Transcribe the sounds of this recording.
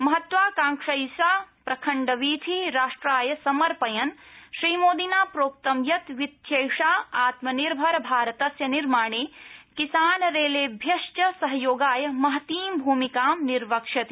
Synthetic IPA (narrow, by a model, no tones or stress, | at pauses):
mɐɦɐt̪ʋaːkãːŋkʂɐjsaːpɾɐkʰɐɳɖɐʋiːt̪ʰiɾaːʂʈɾaːjɐsɐmɐɾpɐjɐnʃɾiːmoːd̪inaːpɾoːk̚t̪ɐmjɐt̪ʋit̪ʰjejʂaːaːt̪mɐniɾbʱɐɾbʱaːɾɐt̪ɐsjɐniɾmaːɳ̃eːkisaːnɾeːleːbʱjɐʃt͡ʃɐsɐɦɐjoːɡaːjɐmɐɦɐt̪iːmbʱuːmikaːmniɾʋɐkʂɐt̪